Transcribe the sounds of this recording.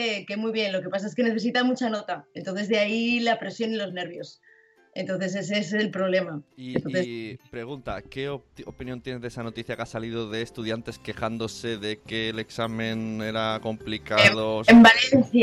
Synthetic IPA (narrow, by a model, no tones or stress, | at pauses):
eke̞mwijβje̞nlo̞ke̞pas̬ae̞ske̞ne̞θe̞sit̪amut͡ʃano̞t̪ae̞nt̪onθ̬e̞zðe̞ailapɾe̞sjo̞nilo̞zne̞ɾβjo̞s | e̞nt̪o̞nθe̞s̬e̞s̬eslpɾo̞β̞le̞maient̪o̞nθespɾe̞ɣ̞unt̪akeoopinjont̪jenezðesano̞t̪iθjakasaliðoðe̞ːst̪uðjant̪e̞ske̞xand̪ose̞ðekeːle̞ksamẽne̞ɾako̞mplikaðoembalenθj